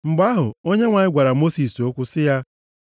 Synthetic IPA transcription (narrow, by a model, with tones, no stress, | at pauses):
ŋ͡m̩˨ɡ͡ba˦ɦʊ˨o˦ɲe˦ŋʷa˨ɲɪ˦ɡʷa˨ɾa˨mo˦si˨so˦kʷʊ˦sɪ˦ja˦